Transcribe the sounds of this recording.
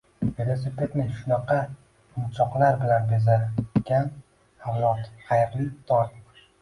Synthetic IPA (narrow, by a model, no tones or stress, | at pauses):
velˠos̬ipʲet̪nɪʃʊnɑqʰɑ | ʊmt͡ʃʰɒqlaɾbɪlanbezaɡʲan | havlˠɒt̪ʰhajɾɪlɪp̚d̪ʰɒɾ